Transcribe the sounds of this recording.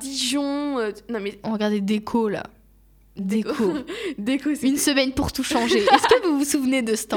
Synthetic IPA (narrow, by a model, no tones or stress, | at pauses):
d̪iʒɔ̃ønɔ̃mɛɔ̃ʁəɡaʁd̪ɛd̪ekʰola̰ | d̪ekʰod̪ekoynsəmɛnpuʁt̪uʃɑ̃ʒeɛskəvuvusuvned̪əsə̥t̪ɑ̃